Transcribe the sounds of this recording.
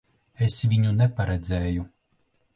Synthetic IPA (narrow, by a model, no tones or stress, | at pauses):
esvʲiɲunɛpaɾɛd̪zɛːju